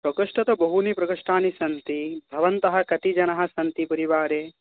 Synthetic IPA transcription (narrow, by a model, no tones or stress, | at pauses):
pɾɐkɐʂʈɐt̪ɐbɐɦunipɾɐkɐʂʈaːnisɐnt̪ibʱɐʋɐnt̪ɐɦɐ̆kɐt̪id͡ʒɐnɐɦɐ̆sɐnt̪ipɐɾiʋaːɾeː